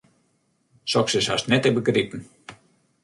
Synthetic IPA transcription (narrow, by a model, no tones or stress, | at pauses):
sɔksəsa̰st̪nɛt̪ɛbəkritn̩